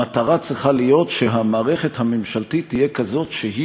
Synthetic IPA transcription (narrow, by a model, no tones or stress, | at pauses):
ataʁat͡sʁiχalijo̞tʃeɦamaːʁe̞χethamemʃaltitːijekazo̞tʃeɦi